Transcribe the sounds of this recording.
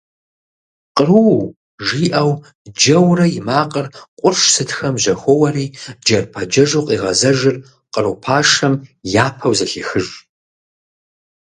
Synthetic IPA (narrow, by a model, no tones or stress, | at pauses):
qʼəru | ʒiːʔɐw | d͡ʒɐwrɐjɪmaːqʼərqʷʼʊrʂsɨtʰxɐmʑɐxʷɔwɐɾiːd͡ʒɐrpʰɐd͡ʒɐʒuqʼiːʁɐzɐʒɨr | qʼərɨwpʰaːʂɐmjaːpʰɐwzɐɬiːxɨʒ